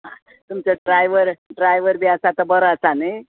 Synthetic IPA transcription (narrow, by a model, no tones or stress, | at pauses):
ɦã̰ | t̪umt͡ɕaɖɾajʋəɾɖɾajʋəɾbiasat̪əbəɾəət͡sanəj